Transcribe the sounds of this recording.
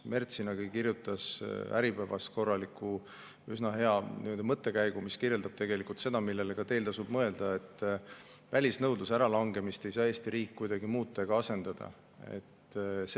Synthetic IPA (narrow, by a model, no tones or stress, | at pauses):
me̞rt̪sinɑɡ̥ikirjut̪ːˑɑsæ̰ɾipævɑ̰st̪̚ko̞rːɑlikːˑu | ysnɑɦe̞ɑnḭo̞ld̪ɑmɤt̪ːˑe̞kæjɡ̥umiskirje̞ld̪ɑb̥̚t̪e̞ɡe̞likːˑult̪se̞d̪̥ɑmilːe̞lekɑt̪e̞ːlt̪ɑsub̥mɤe̞ld̪̥ɑe̞t̪ːˑ | vælʲisnɤwd̪usæɾɑlɑŋɡe̞mist̪e̞jsɑːe̞ːst̪iɾiːkːujd̪̥ɑɡimuːt̪ːˑɑeɡ̥ɑɑse̞nd̪̥ɑd̪̥ɑ̰ | e̞̰t̪ːs